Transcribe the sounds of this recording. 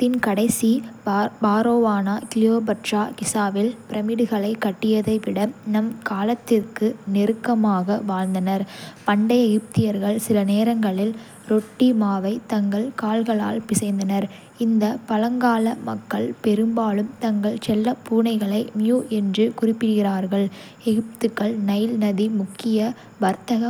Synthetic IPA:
t̪ɪnkɐɽɐɪsibaːɾoːʋaːnakɪljoːbɐʈraːkɪsaːʋɪlpɪɾɐmɪɽɯɣɐɭɐɪkːɐʈːɪjɐðɐɪʋɪɽɐmnɐmkaːlɐt̪ːɪrkɯnɪɾɯkːɐmaːɣɐʋaːɻnd̪ɐnɐɾpɐɳɖɐjɐjɯp̚t̪ɪjɐɾɣɐɭsɪlɐneːɾɐŋɡɐɭɪl | ɾɔʈːimaːʋɐɪt̪ɐŋɡɐɭkaːlɣɐɭa̰ːlpɪsɐɪnd̪ɐnɐɾ | ɪnd̪ɐpɐlɐŋɡaːlɐmɐkːɐɭpɛɾɯmbaːlɯmt̪ɐŋɡɐɭt͡ʃɛlːɐpuːnɐɪɣɐɭɐɪmjuːʔɛndrɯkʊrɪpːɪɣɪraːɾɣɐɭ | ɛɣɪp̚t̪ɯkːɐɭnɐjlnɐðimʊkːɪjɐ | ʋɐɾt̪ɐɣɐ

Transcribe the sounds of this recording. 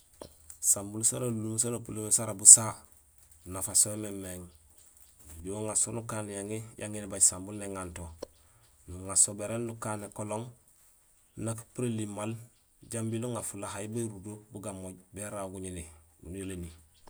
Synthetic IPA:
sambulsanolulums̬anopulomesaɾabusa | nafasoememːeŋ | buwoŋasonukaːnjaŋijʔa̰ŋinebaɟsambulneŋanto | nuŋasobeɾendukaːnekoloŋ | nakpuɾelimːal | ɟambiluŋafulaɦajibeɾudobuɡamoɟbeɾaɡuɲiniɡṵnoleni

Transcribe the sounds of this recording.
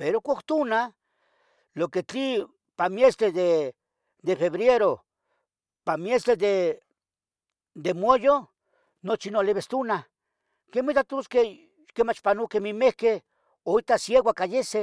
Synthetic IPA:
peɾokʷokt̪una | loket͡ɬi | pamjest̪ɾeðe | d̪efeβɾjeɾo | pamjest̪ɾed̪e | d̪emwojo | not͡ʃinoleβest̪una | kemit̪at̪uske | kemat͡ʃpanukemimehke | oit̪asjeɡwakajese

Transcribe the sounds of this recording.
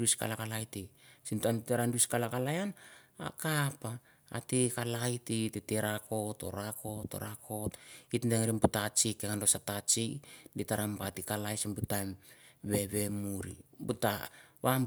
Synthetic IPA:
uiska̰lakalajtisintamteɾanduiskalakalajana̰kapa̰ː | tikalajtiteteɾako̞to̞̰ɾako̞to̞̰ɾakʰo̞titndeŋɾimbutat͡ʃikːeŋandosatat͡ʃiditaɾampatikalajsimbutamβe̞βe̞muɾḭbutaβam

